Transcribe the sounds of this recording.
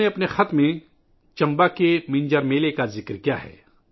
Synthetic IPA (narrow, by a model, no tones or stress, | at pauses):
eɐpnexɐt̪mẽ | t͡ʃɐ̃mbakemɪ̃ɲd͡ʒəɾmeːlekazɪkɾkijaɦɛ̰ː